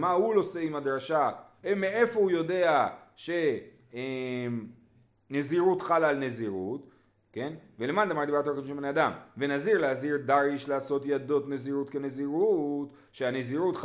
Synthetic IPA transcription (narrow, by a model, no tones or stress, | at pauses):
mahulo̞se̞imad̪ɾaʃa | emeefo̞ujo̞de̞aʃe̞ | em | neziʁut̪χalaːlne̞ziʁut | ke̞nvelemand̪amaʁd̪ibat̪oɾkonʃemnead̪amvenaziʁleaziʁdaʁiʃlaːso̞t̪jado̞t̪neziʁutkeneziʁut | ʃeaneziʁut̪